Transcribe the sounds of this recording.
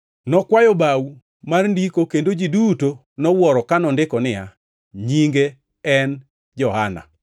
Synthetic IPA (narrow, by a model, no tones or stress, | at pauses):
nɔkwajɔbaw | marndikokendod͡ʒiduto | nɔwɔɾɔkanɔndɪkɔnɪja | ɲiŋɡe | ɛn | d͡ʒɔhana̰